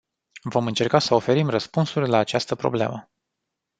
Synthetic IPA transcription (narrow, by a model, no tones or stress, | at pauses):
vo̞mɨnt͡ʃe̞rkasəo̞fe̞ɾimrəspunsurʲlaːt͡ʃast̪əpɾo̞̰blḛmə